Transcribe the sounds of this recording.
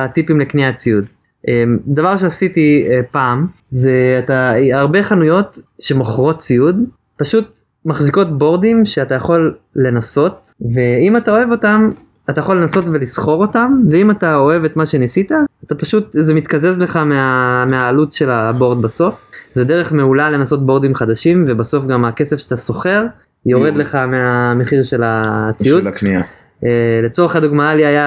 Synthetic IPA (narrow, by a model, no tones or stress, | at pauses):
atipimlekniat͡siud | ʔemdavaʁʃeasitiepaːm | zeataaʁbe̞χanujo̞tʃe̞moχʁo̞t̚t͡siud | paʃut | maχziko̞tbo̞ʁdimʃeatajaχo̞lːe̞naso̞t̚ve̞imatao̞e̞vo̞tam | atajaχo̞lːenaso̞tve̞lisχo̞ʁo̞tamveimatao̞e̞ve̞t̪maʃe̞nisitaːt̪apaʃut̪zemit̪kaze̞zle̞χameameaːlutʃe̞labo̞ʁd̪baso̞fzede̞ʁe̞χmeulale̞naso̞t̚bo̞ʁd̪imχad̪aʃimve̞baso̞fɡamake̞sefʃat̪aso̞χe̞ʁ | jo̞ʁed̪le̞χameame̞χiʁʃe̞lat͡siutnia | ele̞t͡so̞ʁeχad̪uɡmaaliaja